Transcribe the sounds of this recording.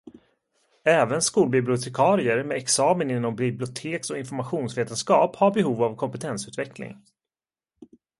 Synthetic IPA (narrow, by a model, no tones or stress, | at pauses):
ɛːvənskuːlbɪblɪʊt̪ʰɛkʰɑːɾɪəɾmɛɛksɑːmənɪnːɔmbɪblɪʊt̪ʰeːksɔɪnfɔɾmaɧuːnsveːt̪ənskɑːphaɾbɛɦuːvavkʰɔmpɛt̪ʰɛnsʉ̟ːt̪vɛklɪ̰ŋ